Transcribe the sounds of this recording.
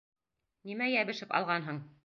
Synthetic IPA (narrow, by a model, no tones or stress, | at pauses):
nimæjæβɘ̆ʃɘpɑ̰lˠʁɑnɦɤɴ